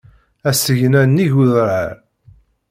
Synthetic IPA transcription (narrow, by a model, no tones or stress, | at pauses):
æsəʝnænːiʝuðɾə̰ɾ